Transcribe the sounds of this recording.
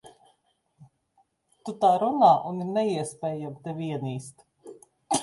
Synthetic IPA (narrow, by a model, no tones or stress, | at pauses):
t̪ut̪aːɾunaːʔuniɾnɛiɛspʲɛːjamt̪ɛviɛniːst̪